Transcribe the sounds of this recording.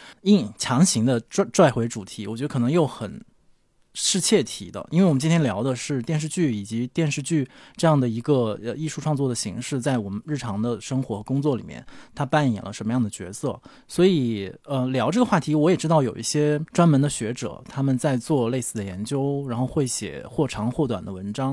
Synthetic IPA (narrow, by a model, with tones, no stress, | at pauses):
i˥˩ŋt͡ɕʰjɑ˧˥ŋɕi˧˥ŋd̪ə˧ʈ͡ʂʈ͡ʂwa˥˩ɪxwe˧˥ɪʈ͡ʂu˨˩t̪ʰi˧˥wɔ˨˩t͡ɕɥ̪ə˧kʰnɤ˧˥ŋjo˥˩ʊxə˨˩n | ʂɻ̩˥˧t͡ɕʰjɛ˥˩t̪ʰi˧˥d̪ə̰˧ʔḭ˥nwe˥˩wɔ˨˩˧t͡ɕi˥nt̪ʰjɛ˥ljɑ˧˥ʊd̪ə˧ʂɻ̩˥˧t̪jɛ˥˧nʂ̬ɻ̩˥˧t͡ɕy˥˩i˨˩t͡ɕi˧˥t̪jɛ˥˧nʂɻ̩˥˧t͡ɕy˥˧ʈ͡ʂɤ˥˧jɑ˥˩ŋd̪ə˩i˧˥ɡə˧ə˧i˥˧ʂu˥˧ʈ͡ʂʰwɑ˥˧ŋt͡swɔ˥˩d̪ə˩ɕḭ˧˥ŋʂɻ̩˥˧t͡sa˥˩ɪwɔ˨˩mə˦nɻ̩˥˩ʈ͡ʂʰɑ˧˥ŋd̪ə˧ʂɤ˥ŋxwɔ˧˥xɤ˧˥kʊ˥ŋt͡swɔ˥˩li˨˩mjɛ̰˥˩nt̪ʰa˥pa˥˩njɛ̰˨˩nlə̰˦ʂə˧˥nmə˧jɑ˥˩ŋd̪ə˩t͡ɕɥɛ̰˧˥sɤ˥˩ | swɔ˧˥i˨˩ə˧ljɑ˧˥ʊʈ͡ʂɤ˥˩ɡə˩xwa˥˩t̪ʰi˧˥wɔ˧˥jɛ˨˩ʈ͡ʂɻ̩˥t̪ɑ˥˩ʊjo˨˩ʊi˥˩ɕjɛ˥ʈ͡ʂwa˥nmə˧˥nd̪ə˧ɕɥɛ˧˥ʈ͡ʂɤ̰˨˩˦t̪ʰa˥mə˨nt͡sa˥˧ɪt͡swɔ˥˧le˥˧ɪsɹ̩˥˩ə˩jɛ˧˥nt͡ɕjo˥ʊɻa˧˥nxo˥˧ʊxwe˥˩ɪɕjɛ̰˨˩xwɔ˥˩ʈ͡ʂʰɑ˧˥ŋxwɔ˥˩t̪wa̰˨˩nd̪ə˦wə˧˥nʈ͡ʂɑ˥ŋ